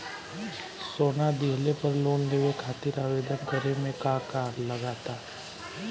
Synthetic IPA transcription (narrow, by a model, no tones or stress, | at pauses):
soːnad̪iɦlepəɾloːnleːʋekʰaːt̪ɪɾaːʋeːd̪ənkəɾemẽkakaːɾləɡaːt̪aː